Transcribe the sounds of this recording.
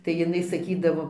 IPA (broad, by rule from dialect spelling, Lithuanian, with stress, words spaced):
tɐɪ jɪˈnɐɪ sɐˈkʲiːdɐʋoː